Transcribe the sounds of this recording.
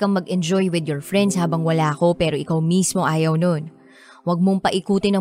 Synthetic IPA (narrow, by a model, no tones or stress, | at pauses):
kɐŋmɐɡʔɛnd͡ʒojwɪd̪jɔɹfɹɛnd̪shaːbɐŋwɐlaːɐko̞pɛːɾo̞ʔɪkawmismo̞ʔaːjɐwnon | wɐɡ̚moŋpɐʔɪkuːt̪ɪnɐ